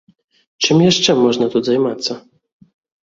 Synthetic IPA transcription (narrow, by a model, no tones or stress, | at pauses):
t͡ʂɘmjɛʂt͡ʂɛmɔʐnat̪uzajmat̪sa